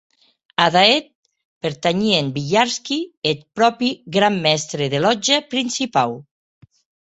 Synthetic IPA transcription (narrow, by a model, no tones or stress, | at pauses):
aðaet̪̚ | peɾt̪aɲiembiʎaɾskiet̪̚pɾɔpiɡɾamːɛst̪ɾeðelɔd͡ʒapɾinsipaw